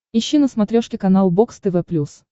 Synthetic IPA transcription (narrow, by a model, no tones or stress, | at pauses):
ɪɕːinəsmɐt̪ɾʲoʂkʲɪkɐnalˠbokst̪ɛvɛplʲus